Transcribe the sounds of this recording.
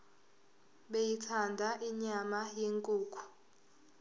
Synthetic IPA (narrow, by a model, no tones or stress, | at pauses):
ɓejitʰandʱaʔiɲamajeŋkʼuːkʰu̥